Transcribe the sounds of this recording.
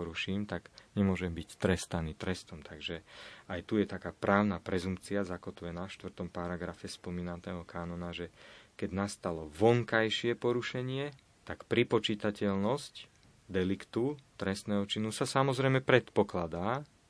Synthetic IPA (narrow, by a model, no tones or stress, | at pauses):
ɔɾuʃiːmt̪aɡɲɛmʊɔʒɛmbict̪ɾɛst̪aniːt̪ɾɛst̪ɔmt̪ʰaɡʒɛajt̪ujɛt̪akaːpɾaːʊnapɾɛzumpt͡siazakɔt̪ʋuɛnaʃt̪ʋr̩t̪ɔmpaɾaɡɾafɛspɔmiːnat̪ɛːɦɔkaːnɔnaʒɛkɛɟnast̪alɔʋɔŋkajʃɪɛpɔɾuʃɛɲɪɛ | t̪akpɾipɔt͡ʃiːt̪acɛlnɔsc | d̪ɛlikt̪ut̪ɾɛst̪nɛːɦɔt͡ʃinusasamɔzɾɛjmɛpɾɛt̪pɔklad̪aː